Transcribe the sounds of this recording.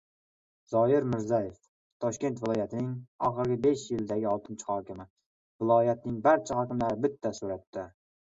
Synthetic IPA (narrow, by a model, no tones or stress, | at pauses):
z̥ɒɪɾmɪɾzajef | t̪ʰɒʃkʲe̞nt̪vɪlˠɒjat̪ʰɪnɪŋɒ̰χɨɾɡʲɪbe̞ʃjɪld̪aɡʲɪɒlˠt̪ʰɪnt͡ʃʰɪ̥hɒkʲɪmɪ | vɪlˠɒjat̪̚nɪŋbaɾt͡ʃʰahɒkʲɪmlaɾɪbɪt̪ʰːasoɾap̚t̪ʰɪ